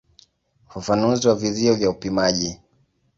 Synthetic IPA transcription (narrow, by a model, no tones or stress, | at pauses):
ufafanuziwaviziɔvjaupimaʄi